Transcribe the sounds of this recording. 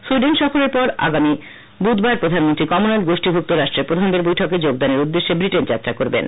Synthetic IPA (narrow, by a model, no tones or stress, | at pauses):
suɖenʈʃɔfoɾeɾpɔɾa̰ɡami | bud̪baɾpɾod̪ʱanmont̪ɾikɔmonalɡoʃʈibʱuk̚t̪oɾaʃʈɾeɾpɾod̪ʱand̪eɾbojʈʰoked͡ʑoɡ̚d̪aneɾud̪ːeʃːebɾiʈend͡ʑat̪ːɾakoɾbḛn